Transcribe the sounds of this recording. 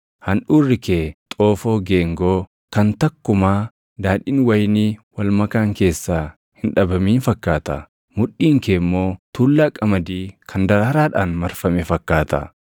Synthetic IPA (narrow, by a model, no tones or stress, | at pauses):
hɐnᶑuːrːɪkeːt̪ʼo̞ːfo̞ːɡeːŋɡoː | kɐnt̪ɐkːʊmaː | d̪aːᶑiːnwɐjniːwɐlmɐkaːŋke̞ːsːaː | hɪnᶑɐbɐmiːnfɐkːaːt̪ɐ̰ | mʊᶑːiːŋkeːmːo̞ːt̪uːlːaːkʼɐmɐd̪iːkʰɐnd̪ɐɾɐɾaːᶑaːnmɐɾfɐmɛfɐkːaːt̪ɐ̰